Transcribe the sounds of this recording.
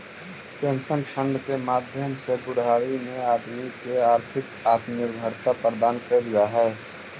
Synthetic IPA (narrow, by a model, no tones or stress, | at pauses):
pẽnsənkʃʰə̃ɳɖkemaːd̪ʱjəmseɡʊɽaːɾimẽaːd̪mikeaːɾt̪ʰɪkaːd̪mjəɾbʱəɾt̪apɾəd̪aːnkeɾɡaɦɛ